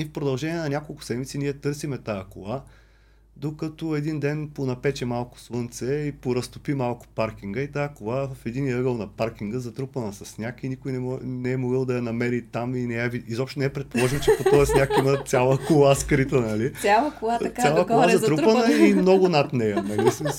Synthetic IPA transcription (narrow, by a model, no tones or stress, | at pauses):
ifpɾod̪ɐlˠʒɛnʲiɛnɐnʲakolˠkʊ̥sɛd̪mit̪siniɛt̪ɤɾsimɛt̪ajɐkolˠa | d̪okɐt̪oɛd̪ind̪ɛnponɐpɛt͡ʃɛmalˠkʊ̥slˠənt̪sɛipoɾɐst̪ʊpimalˠkʊ̥paɾkʲiŋɡəit̪aəkolˠavəfɛd̪iniɤɡəlˠnɐpaɾkʲiŋɡəzɐt̪ɾupənəsɐsnʲakinikʊjnɛɔnɛɛmoɡəlˠd̪ɐjɐnɐmɛɾit̪aminɛɛviizɔpʃt̪onɛɛpɾɛt̪polˠɔʒimt͡ʃɛpot̪ɔɛsnʲakinət̪sʲjalˠəkolˠaskɾit̪ənɐlialˠəasjalˠəkolˠazɐɾut̪ppənəimnɔɡʊnɐt̪nɛjɐnɐlism